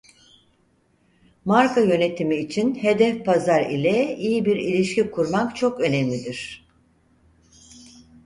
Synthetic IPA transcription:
maɾkajø̞ne̞t̪ʰimiːt͡ʃʰinhe̞d̪ɛfpʰazaɾḭlʲɛijibiɾilʲiʃcikʰuɾmakt͡ʃʰo̞kø̞nɛmlʲid̪iɾ̥

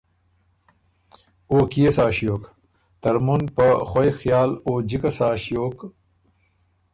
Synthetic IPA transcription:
oːkijesaːɕjoːk | t̪ɐɾmunpɐxojxjaːloːd͡ʑikɐsaːɕjoːk

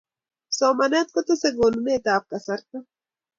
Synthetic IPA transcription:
soːmɐnat̪̚kot̪oseɡonuneːt̪aːp̚kasɐɾt̪a

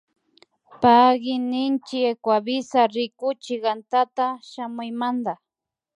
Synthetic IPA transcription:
paɡɪnɪnt͡ʃɪekwaβɪsaɾɪkʊt͡ʃɪɢant̪at̪aʃamʊjmand̪a

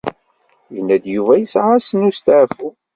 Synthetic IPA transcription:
jənːæd̪juvæjəsʕasənust̪fu

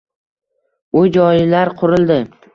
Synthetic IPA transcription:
ʊd͡ʒɒjɪlaɾqʰʊɾɪlˠd̪ɪ

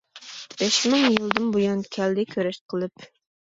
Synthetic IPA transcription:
b̥ɛʃmɨŋjɨlˠd̪ɨmbujɑnkʲʰɛld̪ɪkʲʰøɾɛʃqʰəlˠɨp

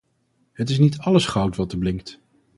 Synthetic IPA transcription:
ɦətɪs̬nitɑləsχɑwtʋɑtəɹblɪŋk̚t

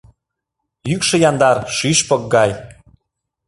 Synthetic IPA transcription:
jykʃɤ̆jɑnd̪ɑrʃyʃpɤ̆k̚ɡɑj

